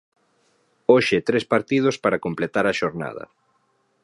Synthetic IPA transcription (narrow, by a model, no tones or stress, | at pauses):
oʃɪt̪ɾespaɾt̪ið̞ospaɾakomplet̪aɾaʃoɾna̰ð̞ɐ̰